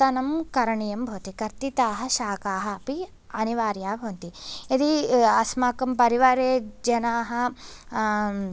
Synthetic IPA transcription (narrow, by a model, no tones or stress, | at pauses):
t̪ɐnɐmkɐɾɐɳijɐmbʱoːt̪ikɐɾt̪it̪aːɦɐ̆ʃaːkaːɦɐɐpi | ɐniʋaːɾjaːbʱoːnt̪iɐd̪iɐsmaːkɐmpɐɾiʋaːɾeːd͡ʒɐnaːɦɐ̆